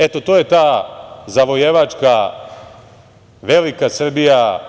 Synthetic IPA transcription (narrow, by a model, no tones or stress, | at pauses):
et̪o̞t̪o̞ːje̞t̪aːzaʋojeʋat͡ʂka | ʋe̞likasr̩bija